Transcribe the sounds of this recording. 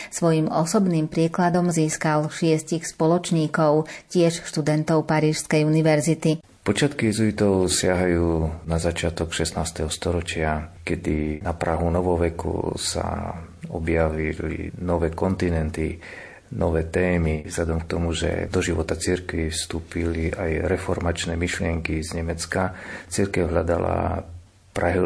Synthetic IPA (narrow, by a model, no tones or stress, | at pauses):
sʋɔjimɔsɔbniːmpɾiːklad̪ɔmziːskalʃɪɛscixspɔlɔt͡ʃɲiːkɔʊcɪɛʃʃt̪ud̪ɛnt̪ɔʊpaɾiːʃskɛjuniʋɛɾzit̪i | pɔt͡ʃɪat̪kiizuit̪ɔʊsɪaɦajuːnazat͡ʃɪat̪ɔkʃɛsnaːst̪ɛɦɔst̪ɔɾɔt͡ʃɪakɛd̪inapɾaɦunɔʋɔʋɛkʰṵsa̰ɔbjaʋilḭnɔʋɛːkɔnt̪inɛnt̪i | nʔɔʋɛːt̪ɛːmizʎad̪ɔmk̚t̪ɔmuʒɛ̰d̪ɔʒiʋɔt̪at͡siɾkʋifst̪uːpiliʔajɾɛfɔɾmat͡ʃnɛːmiʃlɪɛŋkizɲɛmɛt͡skat͡sirkɛʊɦʎad̪a̰la̰ | pɾaɦi